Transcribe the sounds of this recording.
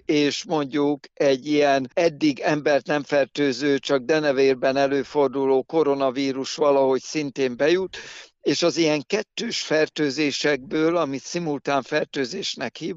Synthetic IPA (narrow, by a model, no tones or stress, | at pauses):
eːʃmo̞ɲɟukɛɟːijɛnɛd̪ːiɡɛmbɛrt̪nɛɱfɛrt̪øːzøːt͡ʃɒɡ̚d̪ɛnɛveːrbɛnɛløːfo̞rd̪uloːko̞ɾo̞nɒviːɾuʃʋɒlɒɦo̞csint̪eːmbɛjut̪eːʃɒzijɛŋkɛt̪ːøːʃfɛrt̪øːzeːʃɛɡ̚bøːlɒmit̪simult̪aːɱfɛrt̪øːzeːʃnɛkhiː